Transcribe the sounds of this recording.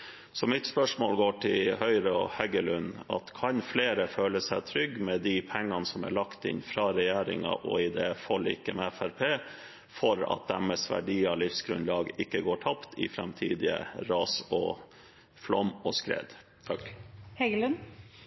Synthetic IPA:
sɔmɪt̪spœʂmoːlɡoːʈʰɪlhœʏɾəɔhɛɡəlʉnːɑ̰t̪kʰɑnfleːɾəføːləsæɪt̪ʰɾʏɡːmɛd̪ipʰɛŋːɑnsɔmæ̰ɭɑkt̪ɪ̰nfɾɑɾɛjæːɾɪ̰ŋɑ̰ʔɔɪd̪eːfɔlːɪ̰kːəmɛæfæɾpʰeː | fɔɾɑ̰t̪̚d̪æməsʋæ̰ɖiːɑlɪfsɡɾʉnlɑːɡɪkːəɡoːʈʰɑpt̪ʰɪfɾɛmt̪ʰḭːd̪ɪə̰ɾɑːsɔ | flɔmɔskɾḛːd̪ | hɛɡəlʉn

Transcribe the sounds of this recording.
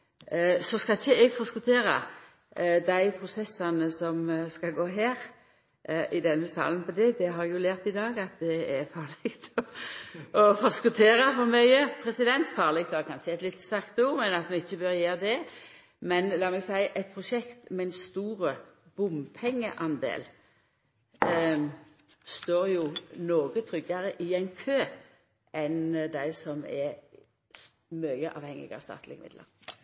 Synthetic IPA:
sɔskɑlɪçːəɛɡfoskʊt̪ʰeːɾɑ̰ | d̪æɪpʰɾʊsɛsɑnəsɔmskɑɡoːɦæːɾ | ʔʔɪd̪ɛnːəsɑ̰ːlənpʰɔd̪ɛd̪ɛɦɑɾjʊlæːʁt̪ɪd̪ɑːɡɑt̪̚d̪ɛɛɾfɑːʁlɛɡt̪ʰɔ | ɔfɔskʊt̪ʰeːɾɑfɔɾmœʏəpʰɾɛsɪd̪ɛnt̪fɑːʁlɛɡ̚t̪ɑkʰɑnʃəɛɛt̪lɪt̪ːst̪ækt̪uːmɛnɑt̪mɛɪçːəbøɾjeːɾd̪ɛ | mɛnlɑːmɛɡsæɪʔɛɪt̪̚pʰʁʊʃɛkt̪mɛɪnst̪uːɾə | b̥ʊmpʰɛŋːəʔɑnd̪ḛːl | st̪oːɾjʊnoːɡət̪ʰɾʏɡɑɾəʔɪæɪnkʰøː | ɛnd̪æɪsɔmɛ | mœʏəʔɑ̰ːʋhɛŋːɪ̰ɡɑ̰st̪ɑ̰ːt̪lɪ̰ɡəmɪ̰d̪lə̰ɾ

